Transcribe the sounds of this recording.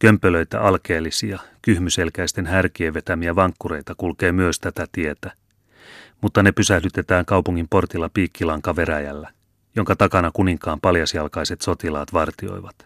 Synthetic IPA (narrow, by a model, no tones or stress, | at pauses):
kømpølø̞jt̪æ̰ʔɑlkeːlːisiɑkyhmyse̞lkæjst̪e̞nɦærk̟ieʋːe̞t̪æmiæʋɑŋkːure̞jt̪ɑkulke̞ːmyøst̪æt̪æt̪ie̞t̪æ | mut̪ːɑne̞pysæhdyt̪e̞t̪æːŋkɑwpuŋːimpo̞rt̪ilːɑpiːkːilɑŋkɑʋe̞ɾæjæ̰lːæ | jo̞ŋkɑt̪ɑkɑnɑkuniŋkɑːmpɑljɑsjɑlkɑjse̞t̪so̞t̪ilɑːt̪ʋɑrt̪io̞̰jʋɑt̪